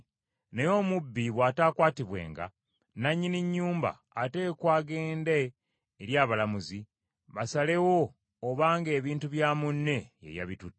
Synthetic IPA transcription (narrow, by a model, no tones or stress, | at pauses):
nejo̞ːmubːiβwaːtaːkwaːtiβwe̞̰ːŋɡa̰ | naɲːiniɲːuːmba̰ːteːkwaːɡe̞ːndeː | ɾjaːβalamuzi | βasale̞wo̞ː | βaːŋɡe̞ːβiːntuβjaːmunːe̞jḛja̰βitutː